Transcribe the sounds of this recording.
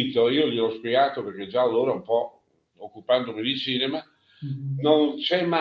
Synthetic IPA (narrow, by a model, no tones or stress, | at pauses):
t̪oiːoliɔspjɛɡaːt̪operk̟ed͡ʒaːlːoːɾaumpɔ | okːupand̪omid̪ilt͡ʃiːnema | nont͡ʃɛma